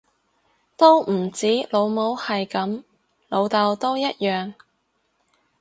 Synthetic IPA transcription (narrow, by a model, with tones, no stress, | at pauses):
t̪o˥wm̩˨˩t͡siː˨˥lo˨˧wmo˨˥whɐ˨jkɐ˨˥m | lo˨˧wt̪ɐ˨˧wt̪o˥wjɐ˥t̚jœː˨ŋ